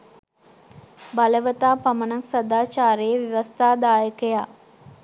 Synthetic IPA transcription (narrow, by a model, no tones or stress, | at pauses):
baləʋət̪aːpamənaksɐd̪aːt͡ʃaːɾejeʋiʋɐst̪aːd̪aːjəkəja